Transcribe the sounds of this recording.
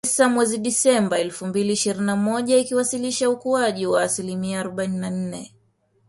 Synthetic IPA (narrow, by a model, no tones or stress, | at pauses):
samwɛziɗisɛmbaɛlfumbiliːʃiɾinːamɔʄaikiwasiliʃaukuaʄiwaːsilimiaːɾɔɓaininan̩nɛ